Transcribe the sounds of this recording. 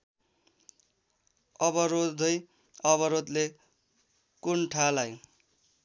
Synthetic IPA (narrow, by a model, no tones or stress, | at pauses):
ʌbʌɾod̪ʱʌj | ʌβʌɾod̪le | kuɳʈʰalaj̃